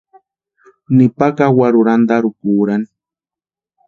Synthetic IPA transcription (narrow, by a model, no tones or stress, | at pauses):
nɪpakawaɾʊɾand̪aɾʊkuːɾani